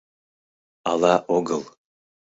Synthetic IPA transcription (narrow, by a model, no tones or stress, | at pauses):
ɑlɑʔoɡəlˠ